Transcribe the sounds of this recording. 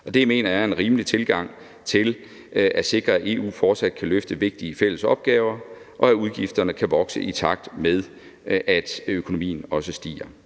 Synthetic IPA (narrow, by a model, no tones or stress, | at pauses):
ʔɒ̽d̥e̝jame̝̰ːnɐæɐenʁiːməlit͡sʰe̝lɡ̥ɑ̈ŋ̰ | t͡sʰe̝l | ʔæ̥se̝ɡ̥ʁɐæe̝ːṵːfɒːd̥sæd̥̚kʰæløfd̥əʋe̝ɡ̥̚d̥iəfel̰əsɒ̽b̥̚ɡ̥ɛːʊɐ | ʔɒ̽æuðˠɡ̥ifd̥ɐnəkʰæʋɒ̽ɡ̥səʔit͡sʰɑ̈ɡ̥̚d̥með̞ˠ | ʔæd̥økʰo̝no̝mḭːn̩ɒ̽səsd̥ḭːɐ